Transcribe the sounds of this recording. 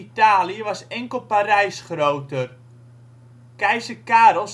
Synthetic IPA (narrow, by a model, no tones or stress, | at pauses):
itaːliəʋasɛŋkəl̩ˠparɛjsχrowtər | kɛjsəkaːɾɔs